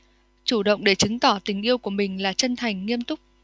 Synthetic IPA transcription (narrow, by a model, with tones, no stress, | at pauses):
t͡ɕu˧˩ɗə̰˧˨wŋ͡mɗe˧˩t͡ɕɨ˨˦ŋt̪ɔ˧˩t̪ï˨˩ŋ̟ʔi˧əwku˧˩əmï˨˩ŋ̟laː˨˩t͡ɕə˧nt̪ʰa˨˩jŋ̟ŋi˧əmt̪ʊ˦˥k͡p̚